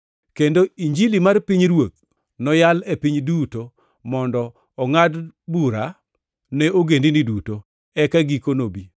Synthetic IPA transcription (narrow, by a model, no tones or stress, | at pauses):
kendoiɲd͡ʒilimarpiɲɾwok̚ | nɔjalepiɲduto | mɔndɔ | ɔŋadbuɾa | nɛoɡendiniduto | ɛkaɡikonobi